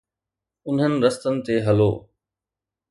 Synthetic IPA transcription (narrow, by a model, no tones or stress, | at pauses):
ʊn̤ɦənɪ̆ɾəst̪ənɪ̆t̪eːɦɐlo̰ː